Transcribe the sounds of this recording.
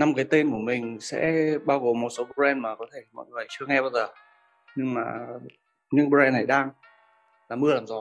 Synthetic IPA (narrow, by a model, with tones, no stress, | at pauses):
na˧mkaː˨˦jt̪e˧nku˧˩əmï˨˩ŋ̟sɛ̰˧˥ɓaː˧wɣo˨˩mːo˨˩t̚so˨˦ɓo˧zɛ˧nmaː˨˩kɔ˨˦t̪ʰe˧˩mɔ̰˧˨jŋɨ˨˩əjt͡ɕɨ˧əŋɛ˧ɓaː˧wzəː˨˩ | ɲɨ˧ŋmaː˨˩ | ɲɨ̰˧˥ŋɓzɛ˧nːa˨˩jɗaː˧ŋ | laː˨˩mɨ˧əlaː˨˩mzɔ˨˦